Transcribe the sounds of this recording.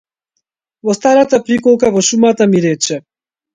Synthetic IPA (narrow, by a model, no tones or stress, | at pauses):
vɔst̪aɾat̪apɾikɔlˠkavɔʃumat̪amiɾɛt͡ʃɛ